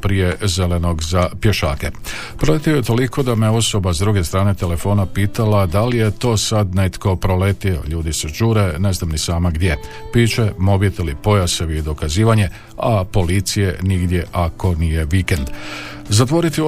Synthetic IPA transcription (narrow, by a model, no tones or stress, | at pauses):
pɾije̞ze̞le̞no̞ɡzapje̞ʃa̰ːke | pɾo̞let̪ioje̞t̪o̞liko̞d̪ameo̞so̞bazd̪ɾuɡe̞st̪ɾaːne̞t̪e̞le̞fo̞ːnapiːt̪alad̪alije̞t̪o̞ːsad̪net̪ko̞pɾo̞let̪io̞̰ʎuːd̪iseʒuːɾe̞ne̞znamnisaːmaɡd̪je̞ | piːt͡ʃe̞mo̞bit̪elipo̞jaseʋied̪o̞kaziːʋaɲe̞ | apo̞lit̪sije̞niɡd̪je̞ʔako̞nije̞ʋike̞nd̪ | zat̪ʋo̞ɾit̪io